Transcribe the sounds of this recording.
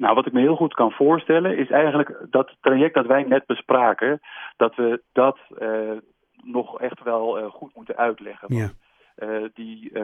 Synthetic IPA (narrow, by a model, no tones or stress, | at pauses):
nawʋɑtɪk̚məɦɪːlˠχutkɑnv̥ʊːɹstɛlənɪsɛjχənləkdɑttrajɛk̚dɑtʋɛjnɛd̚bəspraːkəd̥ɑtʋədɑt | nɔχɛχtʋɛlˠχutmutənʔœɥtlɛ̰χənʋnt | di